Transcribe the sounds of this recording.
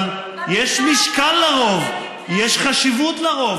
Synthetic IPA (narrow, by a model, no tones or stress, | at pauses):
jeʃmiʃkalːaʁo̞v | jeʃχaʃivutlaʁo̞v